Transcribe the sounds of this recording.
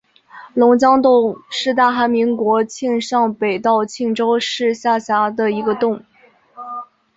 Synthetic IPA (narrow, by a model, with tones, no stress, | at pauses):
lʊ˧˥ŋt͡ɕjɑ˥ŋt̪ʊ˥˧ŋʂɻ̩˥˧t̪̬a˥˩xa˧˥nmi˧˥ŋkwɔ˧˥t͡ɕʰi˥˧ŋʂɑ˥˩ŋpe˨˩ɪt̪ɑ˥˧ʊt͡ɕʰi˥˩ŋʈ͡ʂo˥ʊʂɻ̩˥˧ɕja˥˩ɕja˧˥d̪ə˧i˧˥ɡə˧t̪ʊ˥˩ŋ